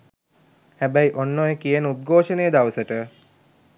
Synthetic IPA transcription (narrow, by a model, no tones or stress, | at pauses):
hæbæjʔonːojekijənəut̪̚ɡʱoːʃənejəd̪aʋəsəʈə